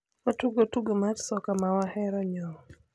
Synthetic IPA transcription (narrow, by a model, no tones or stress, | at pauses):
ɔtuɡɔtuɡɔmatsɔkamawahɛɾɔɲɔ